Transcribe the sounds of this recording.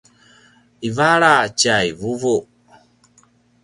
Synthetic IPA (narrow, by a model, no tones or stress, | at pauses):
ivaɾat͡ʃajvuvu